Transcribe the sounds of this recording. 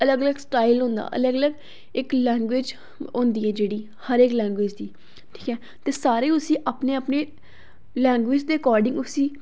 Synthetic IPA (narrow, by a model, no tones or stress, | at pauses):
ələɡələɡsʈaːilɦõːnd̪a̰ːʔə̰ləɡələɡ | ɪklɛ̃ːŋɡweːd͡ʒ | õːnd̪iːɛːd͡ʒeːɽiː | həɾeːklɛ̃ːŋɡʋeːd͡ʒd̪iː | ʈʰi̥ːkɛː | t̪eːsaːɾeːʊsĩːʔaːpneːaːpneː | lɛ̃ːŋɡʋɪːd͡ʒd̪eːkɔːɾɖɪ̃ŋɡʊsĩː